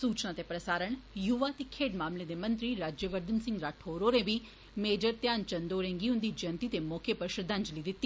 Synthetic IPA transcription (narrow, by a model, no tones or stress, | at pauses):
suːt͡ʃnãːt̪eːpɾəsaːɾəɳjuʋaːt̪eːkʰeːɖmaːmleːd̪eːmə̃nt̪ɾiːɾaːd͡ʒeʋəɾd̪ənsɪ̃ŋɡɾaːʈʰoːɾoːɾẽːʋiː | meːd͡ʒəɾt̪jaːnt͡ʃənd̪oːɾẽːŋɡiːɦʊ̃nd̪iːd͡ʒənt̪iːt̪eːmoːkʰeːpəɾʃɾəd̪ə̃ɲd͡ʒliːd̪ɪt̪ːiː